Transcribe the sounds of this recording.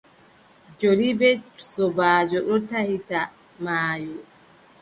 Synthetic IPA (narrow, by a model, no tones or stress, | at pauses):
d͡ʒolibɛsɔbaːd͡ʒɔɗɔtahita | maːjɔ